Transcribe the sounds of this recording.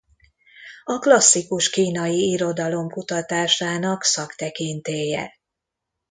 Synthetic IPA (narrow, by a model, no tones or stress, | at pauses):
ɒklɒsːikuʃkiːnɒjiiɾo̞d̪ɒlo̞mkut̪ɒt̪aːʃaːnɒksɒkt̪ɛkint̪eːjɛ̰